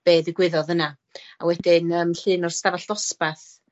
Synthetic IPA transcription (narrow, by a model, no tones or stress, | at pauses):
b̥eːðɪɡwɪðɔðəna | a̰wɛdɪnəːmɬɨːnɔr̥stavaɬd̥ɔspaθ